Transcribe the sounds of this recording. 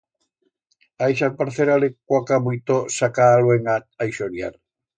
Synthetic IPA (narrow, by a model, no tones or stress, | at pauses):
aeʃ̬apaɾθeɾalekwakamujt̪osakaːlweŋaajʃoɾja̰ɾ